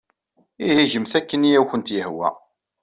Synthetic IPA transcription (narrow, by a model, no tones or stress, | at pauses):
ihiʒəmθækːənijæwçənt̪jəhwæ̰